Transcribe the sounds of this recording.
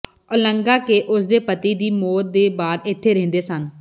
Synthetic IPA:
oləŋɡaːkeːʔʊsd̪eːpət̪iːd̪iːmoːt̪̚d̪eːbaːd̪ɪt̪ʰːeːɾẽːnd̪eːsən

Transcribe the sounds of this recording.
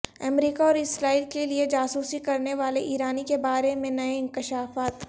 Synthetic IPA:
ɐ̰mɾiːkaɔːɾɪsɾaːiːlkelied͡ʒaːsuːsikɐɾneʋaːleʔiːɾaːnikebaːɾemẽnɐeɪ̃ŋkɪʃaːfaːt̪

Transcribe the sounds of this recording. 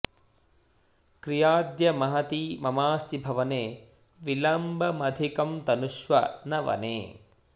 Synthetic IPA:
kɾijaːd̪jɐmɐɦɐt̪iːmɐmaːst̪ibʱɐʋɐneː | ʋilɐmbʱɐmɐd̪ʱikɐmt̪ɐnuʃʋɐ̰nɐʋɐ̰nḛː

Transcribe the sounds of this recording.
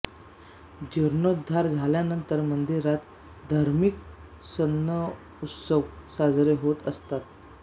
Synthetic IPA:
d͡ʑəɾɳod̪ʱːaɾd͡zʱaljanənt̪əɾmənd̪iɾat̪ | d̪ʱaɾmik | sənːə | ut̪səʋsad͡zɾeɦot̪əst̪at̪̚

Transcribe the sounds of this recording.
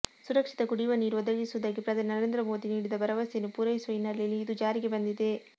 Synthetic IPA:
suɾɐkʂit̪ɐɡuɽiʋɐniːɾuɔd̪ɐɡisuʋud̪aːɡepɾɐd̪ʱɐninɐɾe̞ːnd̪ɾɐmo̞ːd̪iniːɽid̪ɐbɐɾɐʋɐsjenːupuːɾɐʋisuʋɐinːɐɾlejɐlːiːd̪ud͡ʒaːɾiɡe̞bɐnd̪id̪e̞

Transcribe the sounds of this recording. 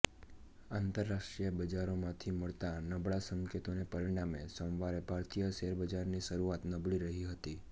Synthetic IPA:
ant̪əɾːaʃʈɾijəbəd͡ʒaɾomãt̪ʰiməɭt̪anəbɭasəŋkʰet̪onepəɾiɽ̃amesõʋaɾebʱaɾt̪ijəʃeɾbəd͡ʒaɾniʃəɾuat̪nəbɭiɾəɦiɦət̪i

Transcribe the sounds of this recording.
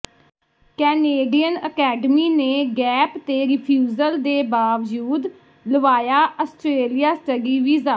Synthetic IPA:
kɛːneːɖiːənə̰kɛːɖəmiːneːɡɛːpt̪eːɾɪpʰjuːzəld̪eːbaːʋd͡ʒuːd̪ | ləʋaːjaːʔəsʈɾeːlɪjaːsʈəɡiːʋiːzaː

